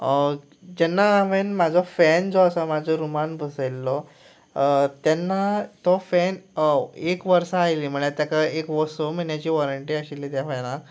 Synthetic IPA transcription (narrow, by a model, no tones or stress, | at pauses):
d͡ʑɛnːaːʋenmad͡zʱɔfɛnd͡zɔəsamad͡zʱɔɾumanbəsəlːɔ | t̪janːat̪ɔfɛn | ekʋəɾsaːjlim̤əɭ̃et̪jakaekʋɔsɔm̤əɳjat͡ɕiːʋɔɾəɳʈiaɕilit̪jafajnã